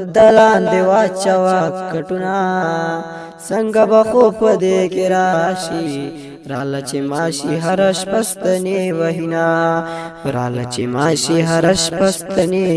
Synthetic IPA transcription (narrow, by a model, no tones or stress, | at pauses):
d̪ɐlaːnd̪ewaːt͡ʃɐwakkːɐʈunaː | sɐŋɡɐbɐxopɐd̪ekeɾaːɕi | ɾaːlɐt͡ʃemaːɕiɦɐɾɐʃpɐst̪ɐneʋɐɦina | ɾa̰ːlɐ̰t͡ʃemaːɕiɦɐɾɐʃpɐst̪ɐne